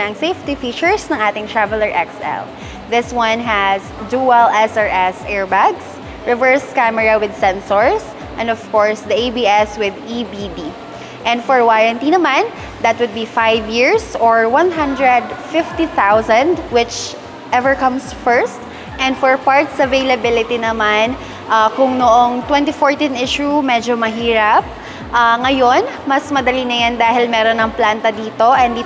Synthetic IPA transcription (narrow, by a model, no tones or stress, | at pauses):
ɐŋsejft̪ifiːt͡ʃʊɹsnɐ̃ŋaːt̪ɪ̃ŋt̪ɹavɛlɐɹʔɛksɛ̰l | ðɪswʌ̃nɦæsduwɛlɛsɑɹʔɛsʔɛɹbaɡs | ɹɪvɛɹskamɛɹɐwɪd̪̚sɛ̃nsɔɹs | ʔɛ̃nd̪ɔv̥kɔɹsd̪ɐebiɛswɪd̪ibidi | ʔɛ̃nd̪fɔɹwaɹɐ̃nt̪iːnomãn | d̪ɐt̪̚wʊd̪̚bifajvjiɹsɔɹwɐ̃nɦɐ̃nd̪ɹɛd̪fɪft̪iθawsɐ̃nd̪wɪt͡ʃ | ʔɛvɛɹkɐ̃msfɛɹst̪ | ʔɛ̃nd̪fɔɹpaɹt̪̚sɐvejlɐbɪlɪt̪inɐman | ʔakʊŋnoʔoŋt̪wɛ̃nt̪ifoɹt̪ĩnʔɪʃumɛd͡ʒomɐɦiːɾɐp̚ | ʔaŋɐjonmɐsmɐd̪ɐlinɐjand̪aːhɪlmɛːɾonɐŋplant̪ɐd̪iːt̪o̞ʔɛnd̪iː